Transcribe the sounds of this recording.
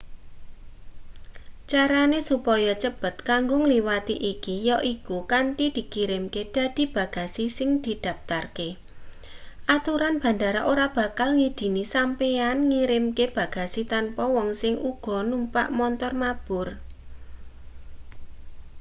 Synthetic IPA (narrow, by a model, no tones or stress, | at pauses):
t͡ʃaɾanesupɔjɔt͡ʃəb̥ət̪̚kaŋɡʊŋliwat̪iʔikijɔʔikukaɳʈid̪̥i̤kiɾɪmked̪̥ä̤d̪̥i̤b̥a̤ɡ̥a̤sisɪŋd̪̥i̤d̪̥a̤p̚t̪arke | ʔat̪uɾanb̥ä̤ɳɖaɾaʔoɾab̥ä̤kalŋid̪̥i̤nisampeanŋiɾɪmkeb̥ä̤ɡ̥a̤sit̪anpɔwɔŋsɪŋʔuɡ̥ɔ̤numpa̰ʔmɔnt̪ɔrmab̥ʊr